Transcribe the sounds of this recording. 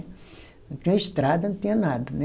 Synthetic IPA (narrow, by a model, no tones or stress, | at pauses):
nũt̪ĩɲɐist̪ɾad̪ɐnũt̪ĩɲɐnad̪ɐnɛ